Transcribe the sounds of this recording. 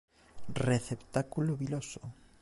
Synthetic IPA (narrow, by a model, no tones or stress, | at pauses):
reθept̪akuloβiloso